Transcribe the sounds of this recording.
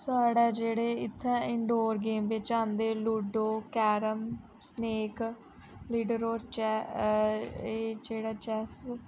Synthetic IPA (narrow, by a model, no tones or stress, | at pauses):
saːɽaːd͡ʒeːɽeːɪt̪ʰːɛ̃ːɪɳɖoːɾɡeːmʋɪt͡ʃãːnd̪eːluːɖoːkɛːɾəm | sneːk | liːɖəɾoːɾt͡ʃɛː | eːd͡ʒeːɽaːt͡ʃɛːs